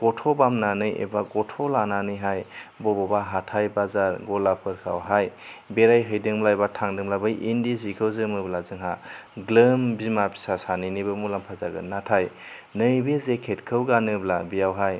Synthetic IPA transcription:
ɡ̥ɔtʰobamnanɯjḛbaɡɔtʰolananɯjɦajbɔbɔbaɦatʰajbazaɾɡɔlapʰɯɾkʰa̰wɦajbeɾajɦɯjdɯŋblajbatʰaŋdɯŋblabajindizikʰɯwzɯmɯblazɯŋɦaɡlɯmbimapʰi̥sasanɯjnibɯmulampʰazaɡɯ̰natʰajnɯjbezekʰetkʰɯwɡanɯblabijawɦaj

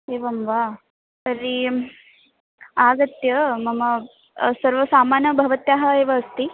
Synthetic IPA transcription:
eʋəmʋa | t̪əɾi | aɡət̪jəməmə | səɾʋəsamanjəbʱəʋət̪jaɦaeʋaəst̪i

